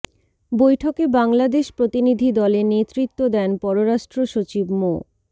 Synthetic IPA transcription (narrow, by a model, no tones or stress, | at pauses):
bojʈʰokebaŋlad̪eʃpɾot̪inid̪ʱid̪ɔlenet̪ɾit̪ːod̪ɛnpɔɾoɾaʃʈɾoʃot͡ɕibmo